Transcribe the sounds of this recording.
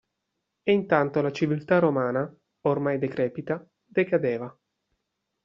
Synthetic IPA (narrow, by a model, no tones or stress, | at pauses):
eint̪ant̪olat͡ʃivilt̪aromaːna | ormajd̪ekɾɛːpit̪a | d̪ekad̪eːva